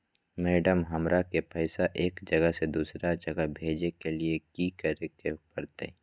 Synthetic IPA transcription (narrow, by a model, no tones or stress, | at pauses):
mɛːɖəmɦɐmɾakepəɪsaʔeːkd͡ʒɐɡəsed̪uːsɾad͡ʒɐɡəbʱeːd͡ʒekeliekikəɾekepəɾt̪ḛ